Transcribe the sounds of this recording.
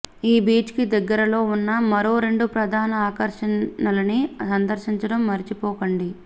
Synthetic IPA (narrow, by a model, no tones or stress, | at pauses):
iːbiːt͡ʃkid̪ɐɡːɐɾɐlo̞ːunːɐmɐɾo̞ːɾe̞ɳɖupɾɐd̪ʱaːnɐaːkɐɾʂɐnɐlɐnisɐnd̪ɐɾʃiɲt͡ʃɐɽɐmːɐɾit͡ʃipɔːkɐɳɖi